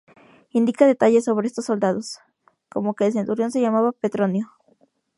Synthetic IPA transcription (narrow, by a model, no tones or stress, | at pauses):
ind̪ikaðe̞t̪aʝe̞so̞β̞ɾeest̪osːo̞ld̪að̞o̞s | ko̞mo̞ke̞ːls̬e̞nt̪uɾjo̞ns̬e̞ʝamaβape̞t̪ɾo̞njo